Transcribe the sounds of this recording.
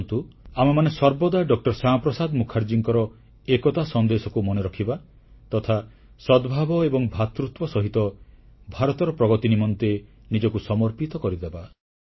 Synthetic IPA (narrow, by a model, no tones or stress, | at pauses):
nt̪uamemanesɔɾbɔd̪aɖɔk̚ʈɔɾsaɔpɾɔsad̪mukʰaɾd͡ʒiŋkɔɾɔ | ekɔt̪asɔnd̪esɔkumɔneɾɔkʰiba | t̪ɔt̪ʰa | sɔd̪bʱabɔebɔŋbʱat̪ɾut̪wɔsɔɦit̪ɔbʱaɾɔt̪ɔɾɔpɾɔɡɔt̪inimɔnt̪e | nid͡ʒɔkusɔmɔɾpit̪ɔkɔɾid̪eba